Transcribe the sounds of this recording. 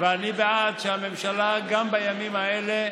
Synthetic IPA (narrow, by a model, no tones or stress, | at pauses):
veanibead̪ʃeame̞mʃalaɡambajamimaele